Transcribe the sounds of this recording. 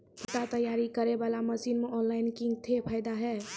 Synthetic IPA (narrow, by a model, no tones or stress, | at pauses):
pʰɪʈ̪at̪əjaːɾikəɾebaːlaməsiːnmeʔɔːnlaɪnkĩŋɡ̚t̪ʰepʰaɪd̪aɦɛː